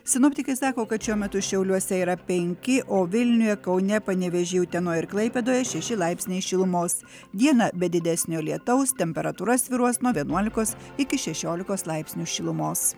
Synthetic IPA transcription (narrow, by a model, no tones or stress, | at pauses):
sʲɪnoːpʲt̪ʲɪkɐɪsɑːkoːkɐt̪ʃʲuɔmʲɛt̪ʊʃʲɛʊlʲuɔsʲɛiːɾɐpʲɛŋʲkʲɪʔoːʋʲɪlʲnʲʊjɛkɒʊnʲɛpɐnʲɛʋʲɛʒʲiːjʊt̪ʲɛnoːjɪɾklˠɐɪpʲɛd̪oːjɛʃʲɛʃʲɪlˠɑɪpʲsʲnʲeɪʃʲɪlˠʊmoːs | d̪ʲiɛnɑbʲɛd̪ʲɪd̪ʲɛsʲnʲoːlʲiɛt̪ɐʊst̪ʲɛmʲpʲɛɾɐt̪uːɾɐsʲʋʲɪɾuɔsnuɔʋʲiɛnuɔlʲɪkoːsɪkʲɪʃʲɛʃʲoːlʲɪkoːslˠɐɪpʲsʲnʲuːʃʲɪlˠʊmoːs